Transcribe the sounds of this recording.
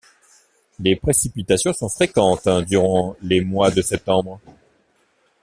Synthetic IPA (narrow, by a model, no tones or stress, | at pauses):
lepχesipit̪asjɔ̃sɔ̃fχekɑ̃t̪d̪yʁɑ̃lemwad̪əsɛp̚t̪ɑ̃bʁ